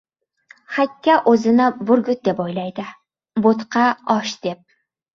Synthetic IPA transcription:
χakʲʰːaʔozɪnɪbʊɾɡʊt̪̚d̪epojlajd̪ɪ | bot̪qɑɒʃd̪̥ep̚

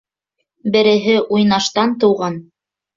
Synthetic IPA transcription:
bɘ̆ɾɘ̆ɦɘʔujnɑʃt̪ɑnt̪ɤ̆wʁɑn

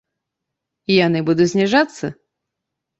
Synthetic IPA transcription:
ijanɨbud̪ʊt̪ʲsʲnʲɪʐat̪sːə

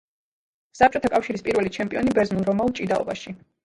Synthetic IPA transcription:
sap̚t͡ʃʼɔt̪ʰakʼafʃiɾispʼiɾvɛlit͡ʃʰɛmpʼiɔnibɛɾznulˠɾɔmaulˠt͡ʃʼid̪aɔ̰baʃi

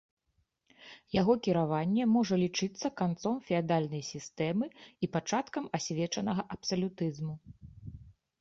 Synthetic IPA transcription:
jaɣɔkʲiɾavanʲːɛmɔʐɐlʲit͡ʂɨt̪sːɐkant̪sɔmfʲɛad̪alʲnɐjsʲist̪ɛmɨipat͡ʂat̪kɐmasʲvʲɛt͡ʂɐnɐɣɐʔɐpsɐlʲut̪ɨzmu

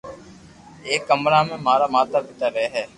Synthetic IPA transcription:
eːkːəmɾaːmẽːmaːɾaːmaːt̪aːbɪt̪aːɾɛɦɛː

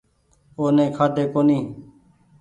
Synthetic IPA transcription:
oːnẽːkʰaːd̪eːkoːniː

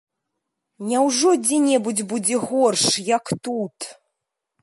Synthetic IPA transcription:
nʲawʐɔd͡zʲɛnʲɛbud͡zʲbud͡zʲɛɣɔrʂjakt̪ut̪

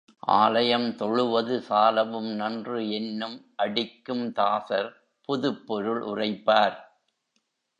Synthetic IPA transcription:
ʔa̰ːlɐjɐmt̪ɔɭɯʋɐðɯsaːlɐʋɯmnɐndrɯɛnːɯmʔɐɽɪkːɯmt̪aːsɐɾ | pʊðɯpːɔɾɯɭʔʊ̰rɐɪpːaːɾ

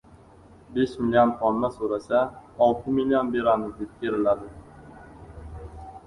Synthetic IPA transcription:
beʃmilʲiont̪ʰɒnːasoɾasaɒlˠt̪ʰɪmilʲionbe̞ɾamɪzd̪ep̚kʲʰe̞ɾɪlad̪ɪ

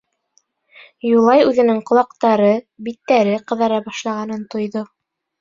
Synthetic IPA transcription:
julˠɑjʉðɘ̆nɘŋqŏlˠɑqt̪ɑɾɤ | bit̪ːæɾɘqɤ̆ðɑɾɑbɑʃlˠɑʁɑnɤnt̪ŏjðo

